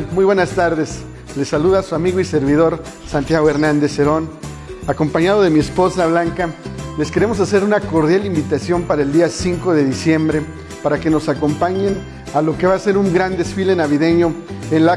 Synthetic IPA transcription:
mujβwenast̪aɾðe̞s | le̞sːaluðasuamiɣoise̞ɾβ̞ið̞o̞ɾ | sant̪jaɣoe̞ɾnãnd̪eseɾo̞n | ako̞mpaɲaðo̞ð̞e̞miespo̞saβlaŋkale̞skeɾe̞mo̞sase̞ɾunako̞ɾðjalimbit̪asjo̞mpaɾaeld̪iasiŋko̞ðe̞ðisje̞mbɾe̞ | paɾake̞no̞sako̞mpaɲen | alo̞ke̞βaːse̞ɾuŋɡɾand̪e̞sfile̞naβiðe̞ɲo̞enla

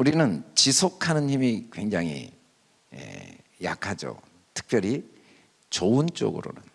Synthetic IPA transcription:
uɾinɯnt͡ɕisʰokʰanɯnçimikwe̞ŋd͡ʑaŋɦḭ | ḛ | ja̰kʰad͡ʑo̰ | tʰɯ̥k̚p͈jʌɾi | t͡ɕoɯnt͡ɕ͈o̰ɡɯ̰ɾo̰nɯn

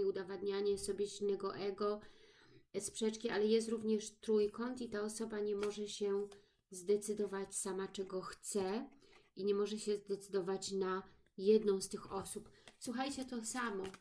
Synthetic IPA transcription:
iud̪avad̪ɲaɲɛsɔbʲjɛʑinːɛɡɔʔɛɡɔ | spʂɛt͡ʂkʲialɛjɛst̪ɾuvɲɛʂt̪ɾujkɔnt̪it̪aɔsɔbaɲɛmɔʐɛɕɛ | zd̪ɛt̪sɘd̪ɔvat͡ɕsamat͡ʂɛɡɔxt̪sɛiɲɛmɔʐɛɕɛzd̪ɛt̪sɘd̪ɔvat͡ɕna | jɛd̪nɔ̃w̃st̪ɘxɔsupswuxajt͡ɕɛt̪ɔsamɔ

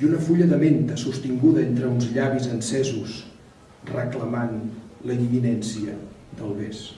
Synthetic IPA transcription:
unəfuʎəðəment̪əsust̪iŋɡuðəent̪ɾəunzʎaβizənsɛzus | rəkləmanləðiminɛnsiə | d̪əlˠβes

